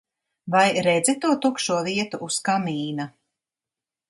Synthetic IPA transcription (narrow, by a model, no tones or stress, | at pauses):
vajɾɛd̪zit̪uɔt̪ukʃuɔviɛt̪uʔːskamiːna